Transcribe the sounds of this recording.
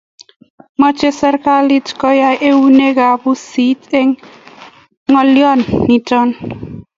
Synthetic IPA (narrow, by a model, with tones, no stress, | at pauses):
mɔ˦t͡ʃe˦sa˦ɾka˦li˦tkɔ˦ja˦jʔe˦wu˦ne˦ka˨bu˦si˦te˦ŋ | ŋɔ˦ljɔ˦nːi˨tɔ˦n